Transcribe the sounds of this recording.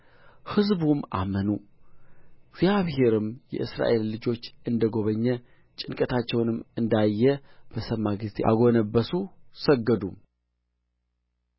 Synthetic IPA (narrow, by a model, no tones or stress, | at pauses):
hɨzbumʔa̰mənu | ɡzjaβhe̞ɾɨmjɛ̰ʔɨsɾa̰ʔe̞lːɨd͡ʒo̞t͡ʃːɨnd̪əɡo̞βəɲːɛ | t͡ʃʼɪnkʼət̪ʰat͡ʃːɛwnɨmːɨnd̪ajːɛb̥əsəmːaɡɨzt̪ʰeʔa̰ɡo̞nəbːəsusəɡːəd̪um